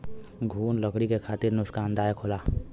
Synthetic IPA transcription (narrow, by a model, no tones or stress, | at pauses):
ɡʱuːnləkɽikekʰaːt̪ɪɾnʊkskaːnd̪aːjkʰʊlaː